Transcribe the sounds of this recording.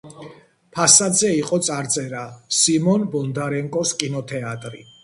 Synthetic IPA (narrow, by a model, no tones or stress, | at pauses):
pʰasad̪zɛiqʼɔt̪sʼaɾt̪sʼɛɾasimɔnbɔnd̪aɾɛŋkʼɔskʼinɔt̪ʰɛat̪ʼɾḭ